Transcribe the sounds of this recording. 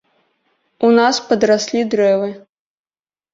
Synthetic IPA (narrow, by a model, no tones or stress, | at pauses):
unaspɐd̪ɾasʲlʲid̪ɾɛvɨ